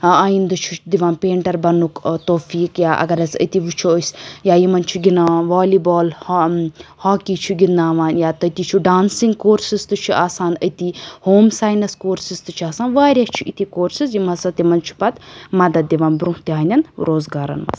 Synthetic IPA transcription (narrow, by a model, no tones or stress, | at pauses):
aːind̪ɐt͡ʃʰud̪iʋãːnpeːɳʈɐɾbɐnukt̪oːfiːkjaːʔɐ̰ɡɐɾɐsə̰t̪iʋut͡ʃʰosjaːjimɐnt͡ʃʰuɡinaːaːnʋaːliːbɔːl | haːkit͡ʃʰuɡinaːʋaːnjaːt̪ɐt̪it͡ʃʰuɖaːnsiŋɡkoːɾsist̪ut͡ʃʰuaːsaːnə̰t̪ihoːmsaːjnɐskoːɾsist̪ɨt͡ʃʰuaːsaːnʋaːɾjat͡ʃʰuʔit̪ʰikoːɾsizjimɐsɐt̪jimɐnt͡ʃʰu̥pɐt̪mɐd̪ɐd̪̚d̪iʋãːnbɾũɦt̪iɦaːnʲɐnɾoːzɡaːɾɐ̰nmɐ̰s